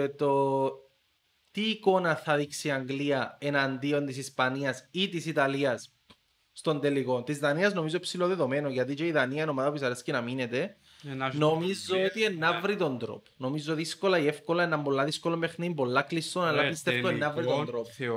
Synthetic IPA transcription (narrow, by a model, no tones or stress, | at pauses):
t̪o | t̪iːko̞nɐθɐðiksiaŋɡliɐe̞nɐnd̪io̞nt̪isispɐniɐsit̪isit̪ɐliɐsː | t̪o̞nd̪eliɣont̪izðɐniɐznomizopsiloðeðome̞noʝɐt̪̬it͡ʃeiðɐniɐino̞maðɐpuisɐɾescinɐminet̪e | no̞mizːoot̪ienːɐvɾit̪o̞nd̪ɾo̰po̥no̞mizːoðisko̞lɐiefko̞lɐenːɐmbolːɐðiskolombexnimbo̞lːaklist̪onɐlːɐapist̪eft̪oenːɐvɾit̪ond̪ɾop